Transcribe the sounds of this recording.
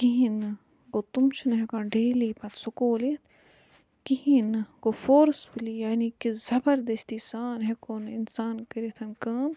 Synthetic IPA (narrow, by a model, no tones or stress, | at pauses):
kiɦin | ɡoːt̪umt͡ʃʰnɦekãːɖeːliːpɐt̪sokoːlit̪ʰ | kiɦinɨɡofoːɾsbilijaːnikizɐbɐɾd̪ɐst̪iːsaːnɦekoːnɪnsaːnkɐɾet̪ʰɐnkaːm